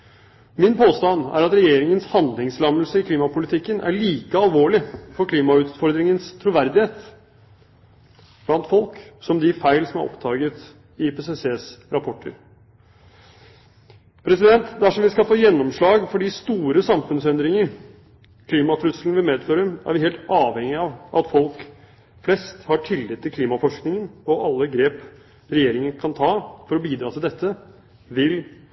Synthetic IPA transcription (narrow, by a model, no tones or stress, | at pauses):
mɪnpʰoːst̪ɑnæ̰ɾɑt̪ɾɛjeːɾɪŋənshɑnd̪lɪŋslɑmːəlsəɪkʰliːmɑpʊlɪt̪ʰɪkːənʔæ̰ɭiːkəɑlʋoːɭɪfɔɾkʰliːmɑʉːt̪fɔɾd̪ɾɪŋənst̪ʰɾuʋæɾd̪ɪheːt̪ | b̥lɑnt̪fɔlksɔmd̪ɪfæɪlsɔmæ̰ɾʔɔ̰pt̪ʰɑːɡət̪ | ɪpeːseseːsɾɑpʰɔʈʰːə̰ɾ | pʰɾɛsɪd̪ɛnt̪d̪ɛæʂɔmʋɪskɑlfoːjɛnːɔmʂɭɑːɡfɔɖiːst̪uːɾəsɑmfʉnsɛnd̪ɾɪŋəɾ | kʰliːmɑt̪ʰɾʉsln̩ʋɪlmeːd̪føːɾəæ̰ɾʋɪheːlt̪ɑːʋhɛŋɪɑʋʔɑt̪fɔlk | flɛst̪hɑʈʰɪlːɪt̪ʰːɪlkʰliːmɑfɔʂknɪŋənɔʔɑlːəɡɾeːp | ɾɛjeːɾɪŋənkʰɑnt̪ʰɑːfɔɾɔbiːd̪ɾɑːt̪ʰɪld̪ɛt̪ʰːə | ʋɪl